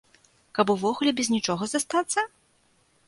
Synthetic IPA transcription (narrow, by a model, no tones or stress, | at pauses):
kɐpuvɔɣulʲɛbʲɛzʲnʲit͡ʂɔɣɐzast̪at̪sːɐ